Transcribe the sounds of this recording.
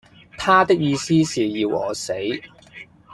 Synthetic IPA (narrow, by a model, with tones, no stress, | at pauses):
t̪ʰaː˥t̪ɪ˥k̚jiː˧siː˥siː˨jiː˧wʔɔ̰ː˨˥se˨˥j